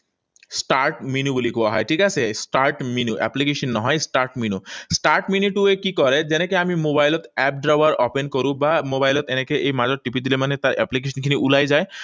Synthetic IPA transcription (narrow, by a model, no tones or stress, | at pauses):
sʈaɾʈminubulikuaɦɔ̰jʈʰikasʰesʈaɾʈminuʔɛ̰plikeʃɔnːɔɦɔjsʈaɾʈminusʈaɾʈminiʈuekikɔɾed͡ʑenekeamimobajlɔt̪ɛp̚ɖɾawaɾɔpenkoɾũbamobajlɔt̪enekeʔejmad͡ʑɔɾʈːipid̪ilemanet̪aɾɛ̰plik̬eʃʰɔnkʰiniʔulajd͡ʑae